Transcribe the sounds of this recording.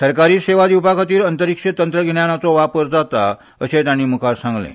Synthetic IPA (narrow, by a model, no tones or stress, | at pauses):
səɾkaɾiːseʋad̪iupakat̪iːɾənt̪əɾikʂet̪ənt̪ɾəɡʱeɳjanat͡soʋapəɾd͡zat̪a | əsẽt̪jaɽ̃iːmukʰaɾsãŋɡlḛ̃